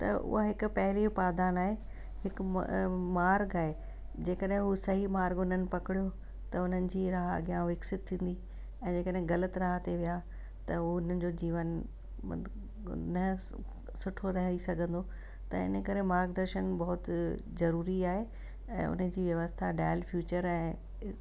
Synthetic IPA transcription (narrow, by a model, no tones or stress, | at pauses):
t̪ɐ̰ʔʊ̰ɦaɦɪkʊ̆pɐɦɪliopaːd̪aːnaːɦe | hɪk | maːɾɡaːɦe | d͡ʑeːkəɗɦɪ̃ɦusɐɦimaːɾɡʊn̤ənɪ̆pɐkɪɽijo | t̪ɐʊn̤ənɪ̆d͡ʑiːɾaɦɐ̰ɡijãʋɪksɪt̪t̪ʰːĩːn̆d̪i | ɛ̃ːd͡ʑeːkəɗɦɪ̃ɡɐlət̪ɾaːɦat̪eʋija | t̪ɐɦuʊn̤ənɪ̆d͡ʑoːd͡ʑiːʋən̰ | nɐ | sʊʈʰoɾɐɦə̃nisɐɡʱə̃nd̪o | t̪ɐɪ̰nə̆kɐɾemaːɾɡd̪ɐɾʃənbɐɦʊt̪ | zɐɾuːɾiaːɦe | ɛ̰̃ːʊ̰n̤əd͡ʑiːʋjɐʋəst̪ʰaɖaːlfjuːt͡ɕəɾɛ̃ː